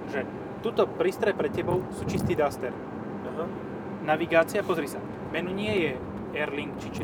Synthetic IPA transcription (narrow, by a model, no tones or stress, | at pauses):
ʒɛ | t̪uːt̪ɔpɾiːst̪ɾɛpɾɛcɛbɔʊsuːt͡ʃist̪iːd̪ast̪ɛɾ | aɦa | naʋiɡaːt͡siapɔzɾisa | mɛnuɲɪɛjɛ | ɛɾliŋkt͡ʃit͡ʃ